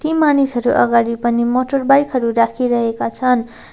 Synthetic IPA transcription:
t̪imanisɦʌɾuʔʌ̰ɡaɽipʌnimoʈʌrbajkɦʌɾuɾakʰiɾʌɦekat͡sʰʌn

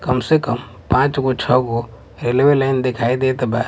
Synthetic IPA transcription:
kəmsekəm | pãt͡ʃɡot͡ʃʰəɡo | ɾelebelaɪnd̪ekʰaid̪et̪ba

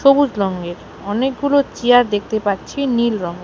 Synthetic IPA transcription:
ʃobud͡ʑɾɔŋɡeɾ | ɔnek̚ɡulot͡ɕiaɾd̪ek̚ʰt̪epaɾt͡ɕʰinilɾɔŋɡe

